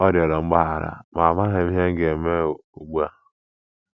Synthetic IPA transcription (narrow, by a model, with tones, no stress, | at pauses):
ɔ˦ɾɔ˨ɾɔ˨ŋ͡m̩˦ɡ͡ba˦ɦa˨ɾa̰˨ma˨ma˦ɦe˨m̩˦ɦe˦ŋ̩˦ɡe˨me˦˨u˨ɡ͡ba˦